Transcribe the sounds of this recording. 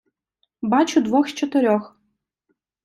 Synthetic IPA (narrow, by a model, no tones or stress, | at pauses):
bat͡ʃʊd̪ʋɔxst͡ʃɔt̪ɪɾʲɔx